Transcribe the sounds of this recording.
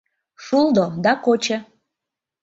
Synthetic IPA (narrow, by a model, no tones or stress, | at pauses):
ʃulˠd̪od̪ɑkot͡ɕe